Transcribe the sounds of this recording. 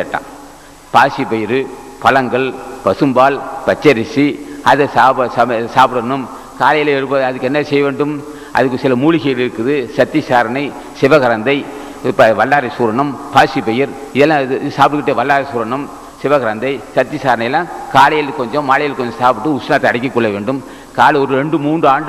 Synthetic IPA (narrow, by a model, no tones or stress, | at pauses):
ɐʈːã̰ː | paːsipɛjɪɾɯpɐlɐŋɡɐɭpɐsɯmbaːlpɐt͡ʃːɐɾɪsiɐðɯsaːɐsɐsaːpɽɐnɯm | kaːlɐjɐlɛɾɯp̬ːɐðɐðɯkːɯɛnːɐsɛjɐʋeːɳɖɯm | ʔɐ̰ðɯkːɯsɪlɐmuːɭɪɣɐjɪlɪɾɯkːɯðɯsɐt̪ːisaːɾɐɳɐɪ | sɪʋɐɣɐɾɐnd̪ɐɪ | pɐʋɐlːaːɾɐsuːɾɐɳɐmpaːsipɛjɪɾ | ɪðɛlːãːsaːpɽɯkɪʈːeʋɐlːaːɾɐsuːɾɐɳɐm | sɪʋɐɣɐɾɐnd̪ɐɪsɐt̪ːɪsaːɾɐɳɐɪɛlːãːkaːlɐjɐlkːɔɲd͡ʒɔ̃mʋaːlɐjɪlkːɔɲd͡ʒɐ̃saːpɯʈːɯʊsnaːt̪ːɛɐɽɐɪkːɪkːɔɭːɐʋeːɳɖɯm | kaːlɔɾɯɾɛɳɖɯmuːndrɯaːɳɖɯ